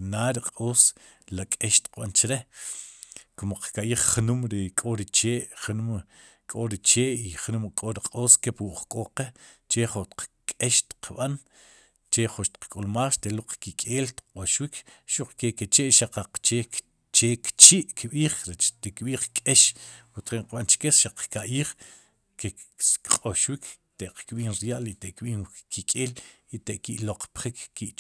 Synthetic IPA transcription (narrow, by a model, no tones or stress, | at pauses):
naːɾiqʼoːslakʼeʃt̪i̥qɓant͡ʃɾe | komoqkaʔjiːχnumɾikʼoɾit͡ʃeːʔχnum | kʼoɾit͡ʃeːʔiχnumkʼoɾiqʼoːskepwuʔχkʼoqet͡ʃeχot̪q͡χkʼeʃt̪i̥qʰɓan | t͡ʃeχoʃt̪i̥q͡χkʼulmaːχʃt̪eluq͡χkikʼeːlt̪i̥q͡χqʼoʃwikʰ | ʃuq͡χkeket͡ʃeʔʃaq͡χaqt͡ʃeːk | t͡ʃekt͡ʃiʔkɓiːχɾet͡ʃt̪ekɓiːχkʼeʃwut̪χeŋqɓant͡ʃkeʃaq͡χkaʔiːχ | keqʼoʃwikt̪eʔqkɓiːnɾjaʔlit̪eʔkɓiːnkikʼeːlit̪eʔkiʔloq͡χpχikkːiʔ